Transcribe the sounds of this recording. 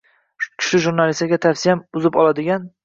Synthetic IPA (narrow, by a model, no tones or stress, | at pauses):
kʲʰɪ̥ʃɪʒuɾnalɪsaɡʲat̪ʰafsɪijamʊzɪpɒlˠad̪ɪɡʲan